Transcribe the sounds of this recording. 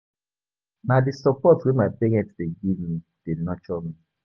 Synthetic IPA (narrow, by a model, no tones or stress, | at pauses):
madisɔpɔtwemapɛɡɛtdeɡivmi | d̥enɔt͡ʃɔmi